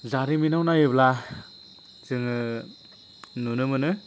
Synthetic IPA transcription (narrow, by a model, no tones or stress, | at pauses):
zaɾiminawnajɯbla | sɯŋɯ | nunɯmɯnɯ